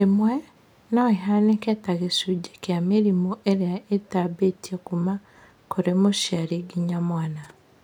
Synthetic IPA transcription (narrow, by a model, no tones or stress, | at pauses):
emwe | noiɦaneketaɣesuɟekjamiɾimoʔeɾeaetabetiekuma | koɾemoʃjaɾiɡiɲamwaːna